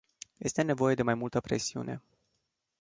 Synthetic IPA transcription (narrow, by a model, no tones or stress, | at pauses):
je̞st̪e̞ne̞vo̞je̞d̪e̞majmult̪əpɾe̞siṵnʔe̞̰